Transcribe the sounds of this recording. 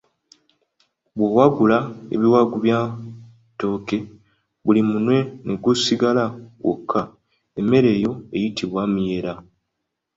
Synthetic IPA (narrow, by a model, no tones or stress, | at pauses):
βwowaɡulae̞̰βiwaɡuβjaː | to̞ːke̞ | βulimunwe̞ne̞ɡusiɡalawo̰kʰːa | eme̞ɾe̞ːjo̞e̞jitʰiβwaːmije̞ɾa